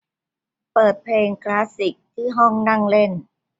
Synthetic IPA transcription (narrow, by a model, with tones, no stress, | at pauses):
pɤː˨˩t̪̚pʰleː˧ŋklaː˦˥si˨˩k̚t̪ʰiː˥˩ɦɔ˥˩ŋna˥˩ŋle˥˩n